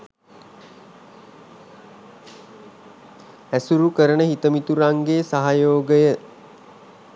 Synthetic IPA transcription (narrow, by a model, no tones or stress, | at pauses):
æsuɾukəɾənəɦit̪əmit̪uɾaŋɡeːsaɦajoːɡəjə